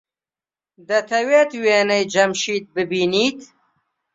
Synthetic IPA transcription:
d̪ɐt̪ʰɐweːt̪weːnɐjd͡ʒɐmʃiːt̪̚bɨbiːniːt̪

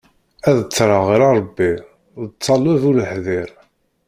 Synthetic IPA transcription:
æðət͡sːɾˤɑʁɾɑɾˤbːi | ðət͡sˤːɑlæðuləħðɪɾ

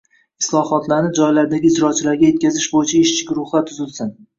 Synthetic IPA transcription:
ɪ̥slˠɒhɒt̪laɾnɪd͡ʒɒjlaɾd̪aɡʲɪːd͡ʒɾɒt͡ʃʰɪlaɾɡʲaje̞t̪̚ʲkʲazɪʃbojɪt͡ʃʰaɪʃt͡ʃʰɪɡʲɾʊχlˠat̪ʰʊzɪlsɪn

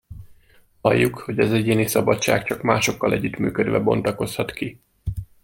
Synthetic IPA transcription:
hɒjːukho̞ɟɒzɛɟeːnisɒbɒtt͡ʃa̰ːkt͡ʃɒkmaːʃo̞kːɒlʔɛɟːyt̪my̰ːkød̪ʋɛbo̞̰nt̪ɒko̞shɒt̪ki

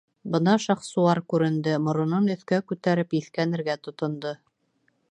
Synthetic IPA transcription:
bɤnɑʃɑχsulˠɑɾkʉɾɘ̆nd̪ɘmŏɾŏnɤnɵ̆θkækʉt̪æɾɘpiθkænɘ̆ɾɡæt̪ŏt̪ŏnd̪ɤ

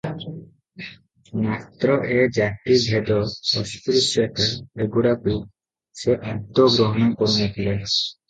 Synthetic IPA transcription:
mat̪ɾɔʔed͡ʒaʈibʱed̪ɔɔsp̪ɾusɔkaeɡuɽaku | seʔad̪ɔɡɾɔɦɔñɔkɔɾunat̪ʰila

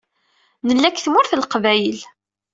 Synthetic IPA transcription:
nəlːækːθmʊɾθəlqvæjəl

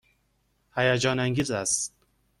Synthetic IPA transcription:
hæjad͡ʒɒːnæŋɡizæst̪

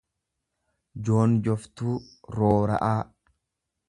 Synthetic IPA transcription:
d͡ʒo̞ːnd͡ʒɔft̪uː | ɾoːɾɐ̰ʔaː

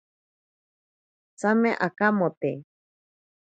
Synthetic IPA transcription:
t͡samẽʔakamot̪e

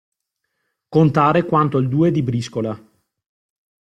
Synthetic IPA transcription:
kont̪aːɾekwant̪oild̪uːed̪ibɾiskola

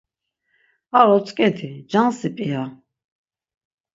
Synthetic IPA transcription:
aɾɔt͡sʼkʼɛd̪ʰid͡ʒansipʼia

